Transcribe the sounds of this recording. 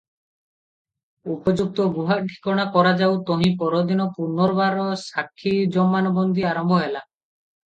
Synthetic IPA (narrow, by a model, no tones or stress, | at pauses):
upɔd͡ʒuk̚t̪ɔɡuɦaʈʰi̥kɔɽ̃akɔɾad͡ʒawt̪ɔɦĩpɔɾɔd̪inɔpunɔɾbaɾɔsakʰːid͡ʒɔmːanɔbɔnd̪iaɾɔmbʱɔɦela